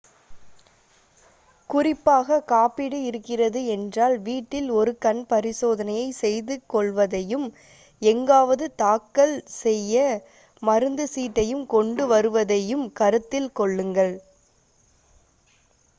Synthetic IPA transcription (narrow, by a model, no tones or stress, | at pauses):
kʊrɪpːaːɣɐkaːpɪɽɯɪɾɯkːɪrɐðɯɛndraːlʋiːʈːɪlɔɾɯkɐnpɐɾɪsoːðɐnɐjɐɪsɛjðɯkɔɭʋɐðɐjɯm | ɛŋɡaːʋɐðɯt̪aːkːɐɭsɛjːɐ | mɐɾɯnd̪ɯsiːʈːɐjɯmkɔɳɖɯʋɐɾɯʋɐðɐjɯmkɐɾɯt̪ːɪlkɔɭːɯŋɡɐɭ